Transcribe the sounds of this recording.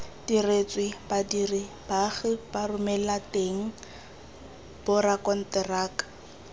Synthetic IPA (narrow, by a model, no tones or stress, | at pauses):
d̥iret͡sʼwɪbadiri | b̥aɣɪbarʊmɛlateŋ̩ | b̥ʊrakɔn̩tɪraːkḁ